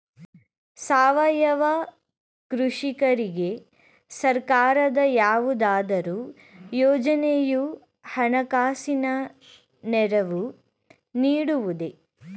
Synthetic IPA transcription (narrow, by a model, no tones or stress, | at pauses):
saːʋɐjɐʋɐ | kɾuʂikɐɾiɡe̞ | sɐɾkaːɾɐd̪ɐjaːʋud̪aːd̪ɐɾuː | jɔːd͡ʒɐneju | hɐnɐkaːsinɐ | nɛɾɐʋu | niːɽuʋud̪e̞